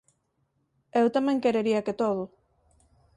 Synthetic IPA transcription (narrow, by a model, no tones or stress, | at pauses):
ewt̪ameŋkeɾeɾiaket̪oð̞u